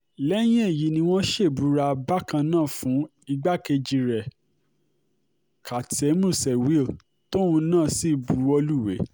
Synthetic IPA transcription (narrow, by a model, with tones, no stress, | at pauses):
lɛ˦j̃ĩ˦e˦˨ji˨˦nĩ˧wo˦ʃe˦˨bu˨˦ɾa˧ba˦kã˧nãː˦˨fũ˨˦ | i˧ɡ͡ba˦ke˧d͡ʒi˧ɾɛ˨ | kʰa˨te˨˦mũ˦˨sɛ˨wi˦˨l | to˦ũ˧nãː˦˨si˦˨bu˨˧ɾo˧lu˦˨wḛ˨˦